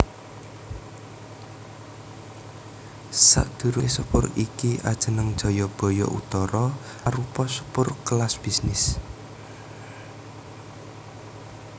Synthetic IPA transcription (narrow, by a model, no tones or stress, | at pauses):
sa̰ʔd̪̥ṳɾusupʊrikiʔa̰d̥ʒ̥ə̤nəŋd̥ʒ̥ɔ̤jɔb̥ɔ̤jɔ̰ʔṵt̪ɔɾɔ | aɾupɔsu̥pʊrklasb̥isnɪs